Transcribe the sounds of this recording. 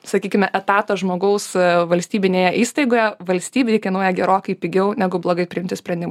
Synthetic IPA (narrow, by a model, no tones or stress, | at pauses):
sɐkʲiːkʲɪmʲɛʔɛt̪ɑːt̪ɐʒmoːɡɐʊsʋɐlʲsʲt̪ʲiːbʲɪnʲeːjɛʔiːst̪ɐɪɡoːjɛʋɐlʲsʲt̪ʲiːbʲɪɪkʲɐɪnuɔjɛɡʲɛɾoːkɐɪpʲɪɡʲɛʊnʲæɡʊblˠoːɡɐɪpʲɾʲɪɪmʲt̪ʲɪsʲpʲɾʲɛnd̪ʲɪmɐ